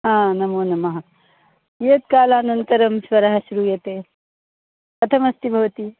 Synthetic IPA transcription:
ɦãːnɐmuːnɐmɐɦɐ | jeːt̪̚kaːlaːnɐnk̪ɐɾɐmsʋɐɾaːɦɐsuɾujet̪eː | pɐt̪ʰɐmɐst̪ibʱɐʋɐt̪i

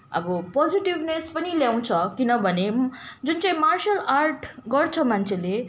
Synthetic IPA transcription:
ʌ̰bʌpɔd͡ziʈiʋnespʌniljaw̃t͡sʰʌkinʌbʱʌned͡zunt͡saj̃marʃalarʈɡʌrt͡sʰʌmant͡sʰele

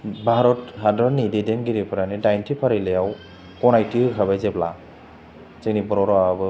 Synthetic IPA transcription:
bʱaɾɔtɦadɔnidedɛnɡiɾipʰaɾanidajntʰipʰaɾilɛjaw | kɔnajtiɯkʰabajzɛbla̰ | zenipɔɾɔɾɔabɯ

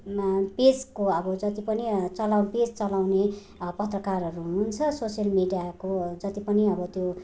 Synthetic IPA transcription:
ped͡zkoʌbʌd͡zʌt̪ipʌnit͡sʌlawped͡zt͡sʌlawne | pʌt̪rʌkarʌɾuunt͡sʰʌsosijʌlmiɖijakod͡zʌt̪ipʌniʌbʌt̪jo

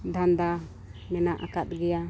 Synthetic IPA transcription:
d̪ʱand̪a | mɛnaʔakat̪̚ɡɛja

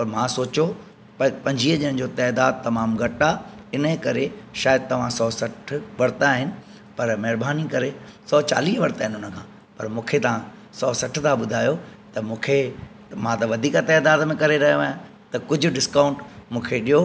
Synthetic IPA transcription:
pɐɾmãsoːt͡ɕo | ppɐ̃ɲd͡ʑʱiːɦəʄɪ̃nə̃d͡ʑoːt̪ɛːd̪aːd̪̚t̪ɐmaːmɡʱɐʈaɪnəkɐɾeʃaːjəd̪̚t̪ɐʋ̤ãsɔːsɐʈʰʋɐɾt̪aɦɪnɪ̆ | pɐɾmɐɦɪɾbaːnikɐɾesɔːt͡ɕa̰ːliːɦʋɐɾt̪aːɦɪnɪʊnə̆kʰãː | pɐɾmũːkʰet̪ɐʋã | sɔːsɐʈʰt̪ʰaɓʊd̪ʱaːjot̪ɐmũːkʰe | mãt̪ɐʋɐd̪ʱiːkat̪ɛːd̪aːd̪mẽkɐɾeɾɐɦijoaːjã | t̪ɐkʊd͡ʑʱʊ̆ɖɪskãːʊ̃ɳʈmũːkʰeɗijo

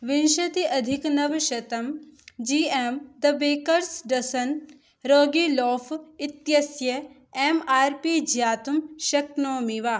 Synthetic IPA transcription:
ʋɪnʃɐt̪iʔɐd̪ʱɪknɐʋʃɐt̪ɐmd͡ʒiːeːmd̪ɐbeːkɐɾsɖɐsɐn | ɾoːɡilɔːfʰɪt̪jɐsjɐ | emaːɾpid͡ʒjaːt̪umʃɐk̚noːmiʋaː

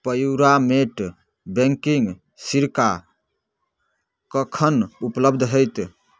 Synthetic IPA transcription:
pəjuɾameʈ | bẽŋkiŋɡ | siɾka | kəkʰənupləbd̪ʱɦəjt̪

